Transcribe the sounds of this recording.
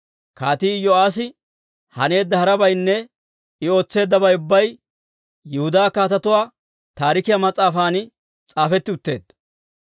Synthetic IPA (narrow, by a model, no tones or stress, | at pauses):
kaːt̪iːjɔaːs̬ɪ | hɐne̞ːd̪ːɐhɐɾɐbɐjnːɛ | ɪo̞ːt͡sːe̞ːd̪ːɐbɐjʊbːɐj | jɛhʊd̪aːkaːt̪ɐt̪ʊwaː | t̪aːɾɪkɪjɐmɐt͡sʼːaːfaːnɪ | t͡sʼaːfɛt̪ːɪʊt̪ːe̞̰ːd̪ɐ